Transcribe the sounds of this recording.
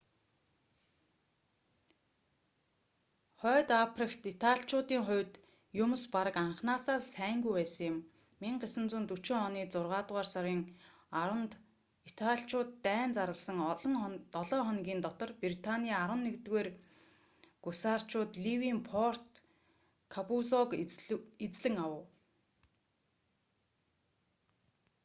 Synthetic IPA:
χœːt̪apʰrikt̪it̪ʰaɮt͡ɕʊːt̪iːŋχʊ̟wt̪ | jʊm̆spaɾə̆kaɴχnaːsaːrsæːŋɡujpæːsə̆ŋjɪ̆mː | iŋɢesə̆nt͡suːnt̪ut͡ɕɪ̆ŋɔniːt͡sʊrʁaːt̪ʁaːrsaɾiːŋ | ɾə̆nt̪ | it̪ʰaɬʲt͡ɕʊːt̪ːæːnt͡saɾə̆ɮsə̆ŋɞŋt̪ɔɮɔːχɔnɡʲiːnt̪ɔt̪ɞ̆rprit̪ʰanʲiːaɾwə̆nːekt̪ɣeːr | ɡ̥usaːr̥t͡ɕʊːt̪ɮiwiːmpʰɔr̥t̪ | kʰapuzɔket͡sɮɘ̆ŋawə̆w

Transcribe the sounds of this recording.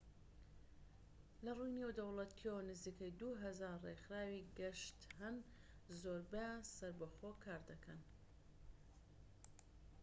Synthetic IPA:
lɐrujnewd̪ɐwlɐt̪ʰownɨziːkɐjd̪uɦɐzaɾrexɾaːwiɡɐʃt̪hɐn | zoːɾbejasɐɾbɐχoːkʰaːɾd̪ɐkʰɐn

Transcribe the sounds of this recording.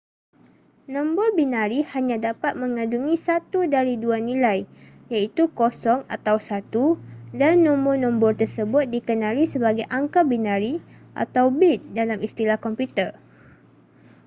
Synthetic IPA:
nɔ̃mbɔrbinãɾihaɲãdapat̪̚mə̃ŋãduŋĩsat̪udaɾiduanĩlaj | jait̪ukosɔŋa̰t̪awsat̪udanːɔ̃mbɔnɔ̃mbɔrt̪ərsəbʊt̪̚dikənãlisəbaɡajʔaŋkabinãɾi | ʔa̰t̪awbit̪̚dalamist̪ilahkɔmpjut̪ər

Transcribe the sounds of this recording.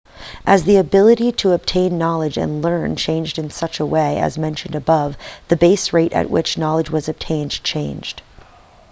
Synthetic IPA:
ʔɨzðiɨbɪlˠɨɾiɾəɨb̚tʰẽɪ̃nːɑlˠəd͡ʒɨ̰̃nlɜ̃˞nt͡ʃʰẽɪ̃nd͡ʒdɨ̃nsʌt͡ʃəweɪɨ̰zmɛ̃nʃɨ̃n̩dɨbʌvðɨbeɪsɹeɪɾɨ̰ʔ̚wɪ̰t͡ʃnɑlˠəd͡ʒwʌzɨb̚tʰẽɪ̃nd͡ʒt͡ʃʰẽɪ̃nd͡ʒd̥

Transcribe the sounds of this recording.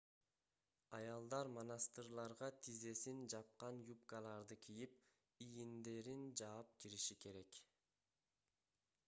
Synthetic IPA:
ɑjɑlˠd̪ɑɾmonɑst̪ɨrlˠɑɾʁɑt̪ʰize̞sind͡ʒɑp̚qɑnjup̚kɑlˠɑɾd̪ɯkʰijip̚ | ijind̪e̞ɾind͡ʒɑːp̚kiɾiʃike̞ɾe̞k

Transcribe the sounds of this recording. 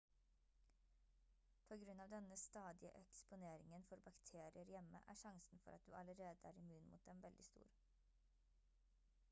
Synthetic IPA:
pʰoːɡɾʉnɑːʋd̪ɛnəst̪ɑːd̪ɪəʔɛkspʊneːɾɪŋənfɔɾbɑkt̪ʰeːɾɪəɾjɛmə̰ʔæ̰ːʂɑŋsn̩fɔ̰ɾɑt̪̚d̪ʉ̰ːʔɑləɾeːd̪əæːɾɪmʉːnmṵːt̪̚d̪ɛmʋɛld̪ɪst̪ṵːɾ

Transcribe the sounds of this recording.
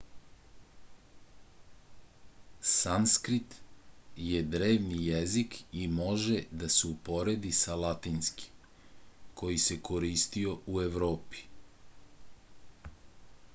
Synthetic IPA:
samskɾit̪jed̪ɾeːʋnijezikimo̞ʒed̪aseupo̞ɾe̞d̪isalat̪inski̥ | kʰo̞jise̞ko̞ɾist̪io̞ue̞ʋɾo̞ːpi̥

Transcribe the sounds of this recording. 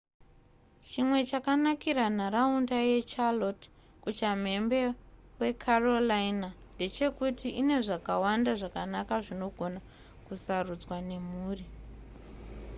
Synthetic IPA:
t͡ʃimwe̞t͡ʃakanakiɾanaɾaundaje̞t͡ʃalot | kut͡ʃam̤e̞mbe̞we̞kʰarolainande̞t͡ʃe̞kutiine̞ʐakawandaʐakanakaʐino̞ɡʱo̞na | kusarud͡zwane̞muːri

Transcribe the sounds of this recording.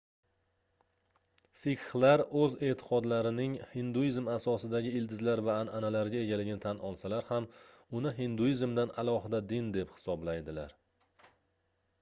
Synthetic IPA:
sɪkχlaɾɵze̞t̪ʰɪ̥qʰɒd̪laɾɪnɪŋhɪnd̪uizmasɒsɪd̪aɡʲɪɪld̪ɪzlaɾvaːnanalaɾɡʲae̞ɡʲalɪɡʲɪnɪt̪ʰanʔɒlˠsalaɾhamʊnɪɦɪnd̪uizmd̪analˠɒɦɪd̪ad̪ɪnd̪ephɪ̥sɒblajd̪ɪla̰ɾ

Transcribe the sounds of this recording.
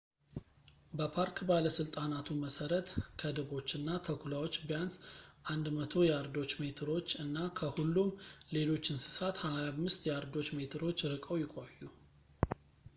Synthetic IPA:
bəpʰaɾkbaləsɨlt̪ʼanat̪ʰuməsəɾət̪kʰəd̪ɨβo̞t͡ʃːɨnːat̪ʰəkʰulawo̞t͡ʃːbjansʔand̪mət̪ʰo̞jɛaɾd̪o̞t͡ʃːmet̪ʰɨɾo̞t͡ʃːɨnːakʰəhulːumle̞lo̞t͡ʃːɪnsɨ̥sat̪hajamːɨst̪jɛaɾd̪o̞t͡ʃmet̪ʰɨɾo̞t͡ʃːɾɨkʼəwjɪkʷʼojːu

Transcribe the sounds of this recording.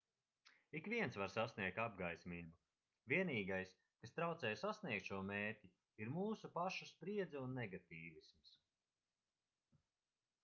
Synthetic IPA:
ikvʲiɛnsvaɾsasniɛk̚t̪ab̚ɡajsʲmʲilʲbu | viɛniːɡajs | kast̪ɾawt̪sɛːjsasniɛk̚t̪ʃuɔmeːɾʲtʲi | iɾmuːsupaʃuspɾiɛd̪zɛunːɛɡat̪iːvisms

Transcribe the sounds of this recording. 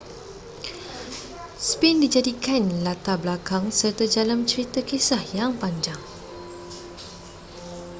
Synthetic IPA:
spɛndid͡ʒadikanlat̪ablakaŋsərt̪ad͡ʒalamt͡ʃəɾit̪akesahjaŋpaɲd͡ʒaŋ

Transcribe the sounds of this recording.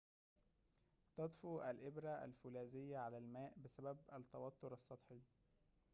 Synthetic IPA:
t̪ɑd̪ˤfuʔælʔɪbɾæʔæ̰lfulæːzɪjːæʕalælmæːʔbɪsæbæbæt̪ːɑwɑt̪ːoɾɑsˤːɑd̪ˤħi

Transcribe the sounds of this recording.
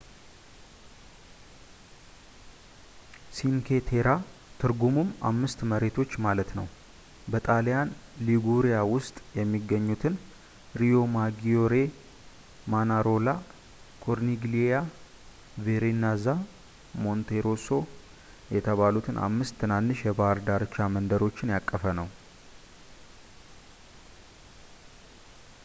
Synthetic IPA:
sinkʰet̪ʰeɾat̪ʰɨɾɡumuma̰mːɨst̪məɾe̞t̪ʰo̞t͡ʃːmalət̪nə̰w | bət̪ʼalijanliɡuɾijawʊst̪ʼjɛmːiɡəɲːut̪ʰɨn | ɾijo̞maɡio̞ɾe̞ | manaɾo̞la | kʰo̞ɾniɡleja | veɾenaza | mo̞nt̪ʰeɾo̞so̞ | jɛt̪ʰəβalut̪ʰɨnʔa̰mːɨst̪ʰːɨnanːɨʃjɛbaɾd̪aɾt͡ʃːamənd̪əɾo̞t͡ʃːɪnjakʼːəfənəw

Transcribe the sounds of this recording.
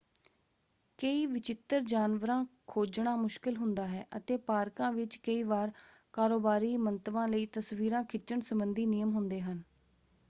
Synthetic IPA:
kəiːʋɪt͡ʃɪt̪ːəɾd͡ʒaːnʋəɾãːkʰoːd͡ʒɳaːmʊʃkɪlɦʊnd̪aːɦɛ̰ːʔət̪eːpaːɾkãːʋɪt͡ʃkəiːʋaːɾ | kaːɾoːbaːɾiːmənt̪ʋãːləiːt̪əsʋiːɾãːkʰɪt͡ʃːəɳsəbənd̪iːnɪjəmɦʊnd̪eːɦən

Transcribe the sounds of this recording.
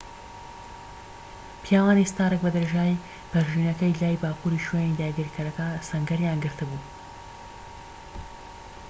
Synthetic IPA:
pʰijaːwaːnist̪aːɾɨk̚bɐd̪ɐɾeʒaːj | bɐɾʒiːnɐkɐjlaːjbaːkuɾiːʃɥenid̪aːɡiɾkʰɐɾɐkɐsɐŋɡɐɾjaːnɡɨɾt̪ʰɨbuː

